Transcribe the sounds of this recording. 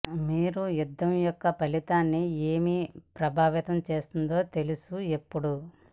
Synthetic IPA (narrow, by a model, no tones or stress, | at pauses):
miːɾujud̪ːɐmjɔkːɐpɐlit̪aːnːieːmipɾɐbʱaːʋit̪ɐmt͡ʃe̞ːst̪und̪o̞ːt̪e̞lusue̞pːuɽu